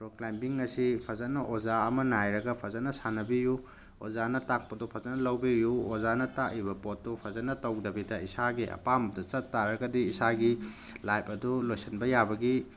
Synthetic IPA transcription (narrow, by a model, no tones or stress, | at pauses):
pɾoklajmbiŋɐsipʰɐzɐnɐʔozaɐmɐnajɾɐɡɐpʰɐzanɐsanɐbiju | o̰zanɐtak̚pɐdupʰɐzɐnɐlɐwbijuozanɐtaʔibɐpot̚ːupʰɐzɐnɐtɐwdɐbidɐisaɡiʔɐ̰pambɐdɐt͡ʃɐtːaɾɐɡɐdiːsaɡilajpɐdulojsɐnbɐjabɐɡi